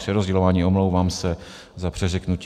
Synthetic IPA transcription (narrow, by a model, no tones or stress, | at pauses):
rɛɾozɟɛlovaːɲiːʔo̞mlo̞wvaːmsɛ | zapr̥ɛzɛknucː